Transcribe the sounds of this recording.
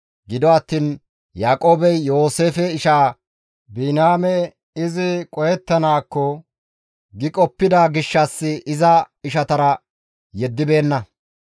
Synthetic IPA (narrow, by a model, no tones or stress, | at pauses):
ɡɪd̪ɔɐt̪ːiːn | jaːkʼo̞ːbɛjjo̞ːse̞ːfɛɪʃaː | biːnaːmɛ | ɪzɪkʼɔjɛt̪ːɐnaːkːɔ | ɡɪkʼɔpːɪd̪aːɡɪʃːɐsːɪʔɪzɐ | ɪʃɐt̪ɐɾɐ | jɛd̪ːɪbe̞ːnːɐ